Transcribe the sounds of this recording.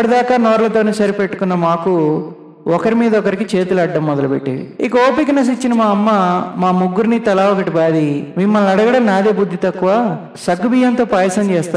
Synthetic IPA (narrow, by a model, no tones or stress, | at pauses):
ɐɽɐd̪aːkaːnoːɾɐlɐt̪oːneːsɐɾipeʈːu̥kunːɐmaːku | ɔkɐɾimiːd̪ɐɔkɐɾikit͡ʃe̞ːt̪ulɐɖːɐmːɔd̪ɐlubḛʈːḛːdḭḭkɐoːpikɐnɐs̬it͡ʃːinɐmaːɐmːɐmaːmuɡːuɾnit̪ɐlaːʋɔkɐʈibaːd̪iʋimːɐlnɐɽɐɡɐɽɐmnaːd̪eːbud̪ʱːit̪ɐkːuʋaː | sɐɡubijɐnt̪o̞ːpaːjɐsɐmt͡ʃɛːst̪aː